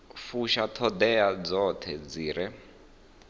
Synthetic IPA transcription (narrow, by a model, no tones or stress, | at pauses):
fuʃat̪ʰɔd̪ɛad͡zɔt̪ʰɛd͡ziːɾɛ